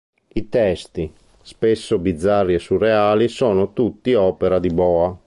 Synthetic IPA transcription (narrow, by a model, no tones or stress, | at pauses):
it̪ɛst̪i | spesːobid̪zːarːiɛsurːɛaːlisɔːnot̪ut̪ːiɔːpɛɾad̪ibɔːa